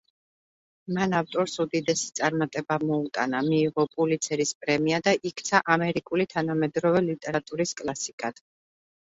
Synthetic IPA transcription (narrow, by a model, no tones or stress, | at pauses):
manaft̪ʼɔɾsud̪id̪ɛsi̥t̪sʼaɾmat̪ʼɛbamɔut̪ʼanamiːʁɔpʼulit̪sʰɛɾispʼɾɛmiad̪aʔikʰt̪sʰaʔamɛɾikʼulit̪ʰanamɛd̪ɾɔvɛlit̪ʼɛɾat̪ʼuɾiskʼlˠasikʼad̪̥